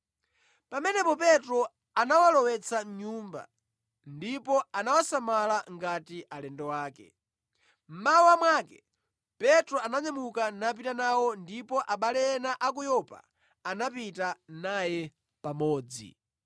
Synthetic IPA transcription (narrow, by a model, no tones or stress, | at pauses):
pamɛnɛpɔpɛtɾɔ | anawalɔwɛt͡sʰaɲumba̰ | ndipɔanawasamalaŋɡatiʔalɛndɔwaːkɛ̰ | m̩mauamwakɛ | pɛtɾɔanaɲamukanap̬itanawɔndipɔʔaɓalɛɛnaʔak̬ujɔpa̰ | anapitanajɛ | pamɔːd͡zḭ